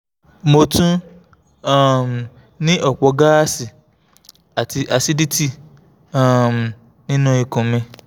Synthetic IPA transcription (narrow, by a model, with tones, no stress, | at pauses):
mo˧tũ˦ | a˦˨m˨ | nĩ˦ʔɔ˦˨k͡pɔ˧ɡa˦a˦si˨ | a˨i˧a˧si˦di˦ti˦˨ | ã˨m˨ | nĩ˦nũ˦i˨kõ˨mẽ˧